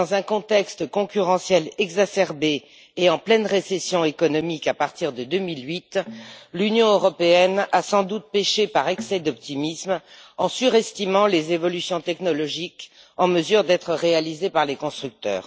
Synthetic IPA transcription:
d̪ɑ̃zɛ̃kɔ̃t̪ɛkst̪kɔ̃kʲyʁɑ̃sjɛlɛɡzasɛʁbeː | ɑ̃plɛnʁesɛsjɔ̃ekɔnɔmikapaʁt̪iʁd̪əd̪ømilɥit̪lynjɔ̃øʁɔpeɛnasɑ̃d̪ut̪̚peʃepaʁɛksɛd̪ɔp̚t̪imismɑ̃syʁɛst̪imɑ̃lezevɔlysjɔ̃t̪ɛknɔlɔʒik | ɑ̃məzyʁd̪ɛt̪χəʁealizepaʁlekɔ̃st̪χyk̚t̪œ̰ːʁ

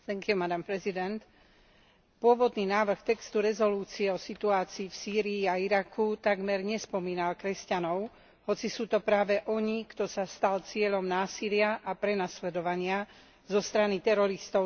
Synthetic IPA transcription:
θɛŋkɪumad̪ampɾɛzid̪ɛnt̪ | pʊɔʋɔd̪niːnaːʋr̩xt̪ɛkst̪uɾɛzɔluːt͡siɛɔsit̪uaːt͡siːfsiːɾiːaiɾakʰut̪aɡmɛɾɲɛspɔmiːnalkɾɛscanɔʊ | hɔt͡sisuːt̪ɔpɾaːʋɛʔɔɲikt̪ɔsast̪alt͡sɪɛʎɔmnaːsilɪaʔapɾɛnaslɛd̪ɔʋaɲɪa | zɔst̪ɾanit̪ɛɾɔɾist̪ɔʊ

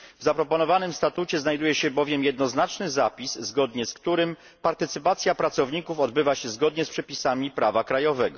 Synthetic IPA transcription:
vzapɾɔpɔnɔvanɘmst̪at̪ut͡ɕɛznajd̪ujɛɕɛbɔvʲjɛmjɛd̪̚nɔznat͡ʂnɘzapʲisːɡɔd̪ɲɛskt̪uɾɘm | paɾt̪ɘt̪sɘpat̪sʲjapɾat̪sɔvɲikufɔd̪bɘvaɕɛzɡɔd̪ɲɛspʂɛpʲisamʲipɾavakɾajɔvɛɡɔ̰

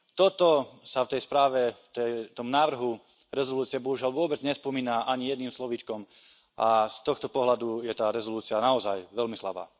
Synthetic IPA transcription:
t̪ɔt̪ɔsaft̪ɛjspɾaːʋɛt̪ɛt̪ɔmnaːʋr̩ɦu | ɾɛzɔluːt͡sɪɛbɔɦuʒɪalʋʊɔbɛd͡zɲɛspɔmiːnaʔaɲijɛd̪niːmslɔʋit͡ʃkɔm | ʔast̪ɔxt̪ɔpɔɦlad̪ujɛt̪aːɾɛzɔluːt͡sianaɔzajʋɛlmisla̰ba̰ː

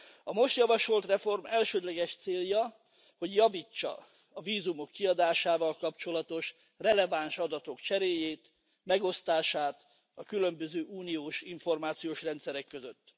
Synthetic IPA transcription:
ɒmo̞ʃt̪jɒvɒʃo̞lt̪rɛfo̞rmɛlʃøːd̪lɛɡɛʃt̪seːljɒ | ho̞ɟjɒviːt͡ʃːɒ̰ | ɒviːzumo̞kːiɒd̪aːʃaːvɒlkɒpt͡ʃo̞lɒt̪o̞ʃ | rɛlɛvanʃɒd̪ɒt̪o̞kt͡ʃɛɾeːjeːt̪ | mɛɡo̞st̪aːʃaːt̪ | ɒkylø̞mbøzøːʔuːnioːʃiɱfo̞rmaːt̪sijoːʃrɛnt̪sɛɾɛkːøzøt̪ː

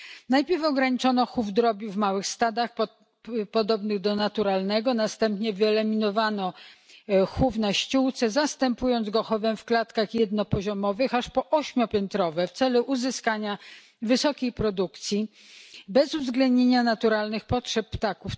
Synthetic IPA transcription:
najpʲjɛɾfɔɡɾaɲit͡ʂɔnɔxuvd̪ɾɔbʲuvmawɘxst̪ad̪ax | pɔd̪ɔbnɘɣd̪ɔnat̪uɾalnɛɡɔnast̪ɛmpɲɛvɘɛlɛmʲinɔvanɔ | xuvnaɕt͡ɕuwt̪sɛzast̪ɛmpujɔnzɡɔxɔvɛmfklat̪kaxjɛd̪nɔpɔʑɔmɔvɘxaʂpɔʔɔɕmʲjɔpʲjɛnt̪ɾɔvɛft̪sɛluʔuzɘskaɲa | vɘsɔkʲejpɾɔd̪ukt̪sʲji | bɛzuvzɡlɛnd̪ɲeɲanat̪uɾalnɘxpɔtʂɛpːt̪akuf

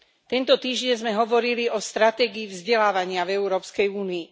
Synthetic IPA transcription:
t̪ɛnt̪ɔt̪iːʒɟɛɲzmɛɦɔʋɔɾiliɔst̪ɾat̪ɛːɡiːvzɟɛlaːʋaɲɪavɛuɾɔːpskɛjuːniː

